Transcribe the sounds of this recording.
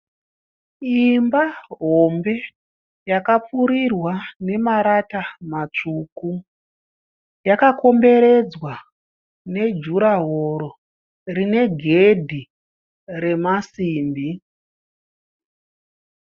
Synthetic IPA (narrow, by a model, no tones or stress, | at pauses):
imbaɦo̞mbe̞ | jakap͡fuɾirwane̞maɾatamat͡ʂuku | jakako̞mbe̞ɾe̞d͡zwa | ne̞d͡ʒuɾaɦoɾo̞ | rine̞ɡʱe̞dʱi | re̞masiːmbi